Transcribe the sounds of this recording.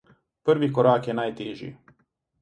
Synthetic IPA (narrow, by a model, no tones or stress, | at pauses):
pr̩ʋikoɾaːkjenaːjt̪eːʒḭ